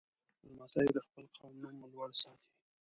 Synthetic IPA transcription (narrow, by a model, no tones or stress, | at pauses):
almasɑjed̪əxpəlqʰawmnamlwaɽsɑt̪ʰi̥